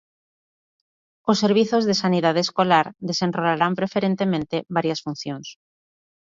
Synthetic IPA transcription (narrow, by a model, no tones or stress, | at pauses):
osːeɾβiθozðesaniðað̞eːskolaɾðesenrolaɾampɾefeɾẽnt̪emẽnt̪eβaɾjasfũn̟θjoŋs